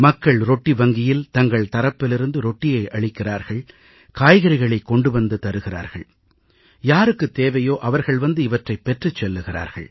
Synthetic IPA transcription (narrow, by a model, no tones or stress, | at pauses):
mɐkːɐɭɾɔʈːiʋɐŋɡɪjɪlt̪ɐŋɡɐɭt̪ɐɾɐpːɪlɪɾɯnd̪ɯɾɔʈːɪjɐɪʔɐɭɪkːɪraːɾɣɐɭ | kaːjɣɐɾɪɣɐɭɐɪkːɔɳɖɯʋɐnd̪ɯt̪ɐɾɯɣɪra̰ːɾɣɐ̰ɭ | jaːɾɯkːɯt̪eːʋɐjoːʔɐʋɐɾɣɐɭʋɐnd̪ɯɪʋɐʈrɐɪpːɛʈrɯt͡ʃːɛlːɯɣɪra̰ːɾɣɐ̰ɭ